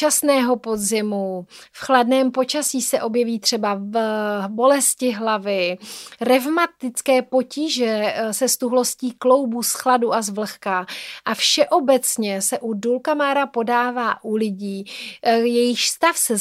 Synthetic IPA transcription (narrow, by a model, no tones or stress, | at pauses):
t͡ʃasnɛːɦo̞po̞d̪zɪmufxladnɛːmpo̞t͡ʃasiːsɛʔo̞bjɛviːt̪r̝̥ɛba | bo̞lɛscɪɦlavɪɾɛvmat̪ɪt͡skɛːpo̞ciːʒɛsɛst̪uɦlo̞sciːklo̞wbusxladuʔazvl̩xkaʔafʃɛʔo̞bɛt͡sɲɛsɛʔudulkamaːɾapo̞daːvaːʔulɪɟiː | jɛjɪxst̪afsɛ